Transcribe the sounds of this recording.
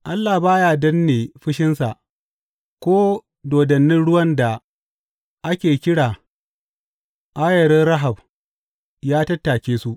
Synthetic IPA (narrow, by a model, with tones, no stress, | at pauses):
ʔa˦lːa˨baː˦jaː˨dɐ˦nːeː˨ɸɪ˦ʃɪ˦nsa˨ʔ | kʷoː˦ | doː˨dɐ˨nːɪ˦nɽʊ˦wɐ˦nda˨ | ʔa˦kʲeː˨kʲɪ˦ɽaː˨ | ʔa˦jɐ˨ɾɛ˦ɾɐ˦ɦa˨b | jaː˦tɐ˦tːaː˨kʲeː˦su˦ʔ